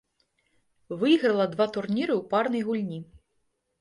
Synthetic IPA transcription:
vɨjɣɾɐlˠɐd̪vat̪urnʲiɾɨwparnɐjɣulʲnʲi

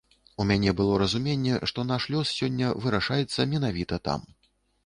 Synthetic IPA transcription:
umʲanʲɛbɨlˠɔɾɐzumʲenʲːɛʂt̪ɔnaʂlʲɔssʲɔnʲːɐvɨɾaʂajɛt̪sːɐmʲɛnavʲit̪ɐt̪a̰m

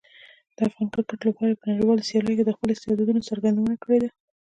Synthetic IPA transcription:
d̪̥əafɣɑnkaɾʈaʈlapɑɾapənaɽiwɑlosijɑləjoked̪əxpəloɪst̪ɪhɑd̪ɑd̪unot͡saɾɡand̪awənakəɽed̪a

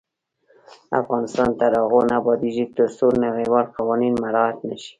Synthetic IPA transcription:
a̰fɣɑnɪst̪ɑnt̪aɾɑɣonabɑd̪iʒit̪əsoɾnaɣewaɾqɑwɑninmaɾɑat̪naʃi̥

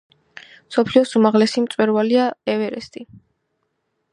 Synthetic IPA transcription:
msɔpʰliɔsumaʁlɛsimt̪sʼwɛɾvaliaɛvɛɾɛst̪ʼi

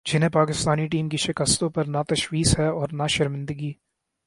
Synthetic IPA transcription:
d͡ʒɪnɦẽpaːkɪst̪aːniʈiːmkiʃɪkəst̪õpɐɾnat̪ɐʃwiːsɦɛɔːɾnaʃɪɾmɪ̃nd̪əɡiː

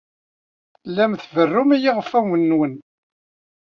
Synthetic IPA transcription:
lːæmθvərːʊmijiʁəfæwənːwən

